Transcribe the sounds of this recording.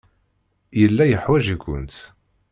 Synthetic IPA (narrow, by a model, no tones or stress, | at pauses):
jəlːæjəħwæʒikʷːə̰nt̪